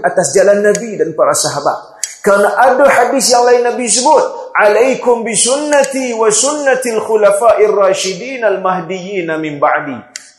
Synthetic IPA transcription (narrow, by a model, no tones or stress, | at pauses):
ʔat̪asd͡ʒalanːabidanpaɾasaɦaba̰t̪̚karnaʔadaħadisjaŋlainːabis̬əbʊt̪̚ | ʕalajkʊmbisʊnːat̪iwasʊnːat̪alxulafaːʔɪrːaːʃɪdiːnalmaɦdijiːnamɪmbaʕdḭ